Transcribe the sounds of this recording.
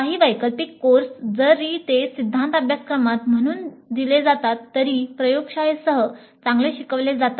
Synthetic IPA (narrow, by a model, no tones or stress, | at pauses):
kaɦiːʋajkəlpikːoɾsd͡zəɾit̪esid̪ʱːant̪abʱjaskɾəmat̪m̤əɽ̃uːnd̪iled͡zat̪at̪ːəɾipɾəjoɡʂajsəɦə | t͡sãŋɡleɕikəʋled͡zat̪a